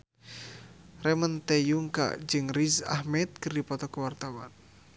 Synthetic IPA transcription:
rɛmənt̪ɛjuŋka̰d͡ʒɨŋriza̰hmɛt̪̚kɨrdipɔt̪ɔkuwart̪awan

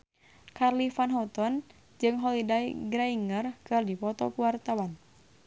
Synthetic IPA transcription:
karlifanɦɔt̪ɔn | d͡ʒɨŋɦɔlidajɡɾaiŋərkɨrdipɔt̪ɔkuwart̪awan

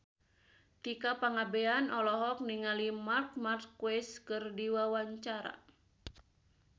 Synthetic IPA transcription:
t̪ikapaŋabeanɔlɔɦɔk̚niŋalimark̪̚mart̪̚kwɛskɨrdiwawaɲt͡ʃaɾa̰

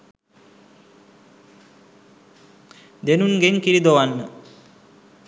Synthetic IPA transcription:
d̪enunɡeŋkiɾid̪oʋanːə

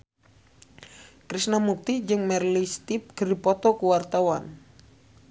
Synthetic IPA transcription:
kɾisnamuk̚t̪id͡ʒɨŋmɛrlist̪ip̚ɡ̥əripɔt̪ɔkuwart̪awan

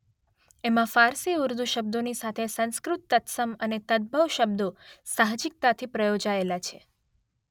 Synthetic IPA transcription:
emãfaɾsiuɾd̪ʱuʃəb̚d̪onisat̪ʰesə̃nskɾut̪ːət̪səmənet̪əd̪̚bʱəʋʃəbd̪osaɦd͡ʒik̚t̪at̪ʰipɾəjod͡ʒaelat͡ʃʰe

